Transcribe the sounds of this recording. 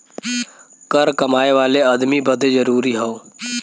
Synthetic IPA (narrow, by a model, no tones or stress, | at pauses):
kəɾkəmaːeʋaːleəd̪mibəd̪d͡ʒəɾuːɾiːɦoː